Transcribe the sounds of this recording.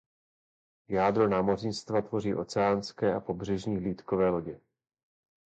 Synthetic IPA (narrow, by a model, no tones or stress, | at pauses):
jaːd̪ɾo̞naːmo̞rɪnst̪vat̪vo̞riːʔo̞t͡sɛaːnskɛːʔapo̞br̝ɛʒɲiːɦliːt̪kovɛːlo̞ɟɛ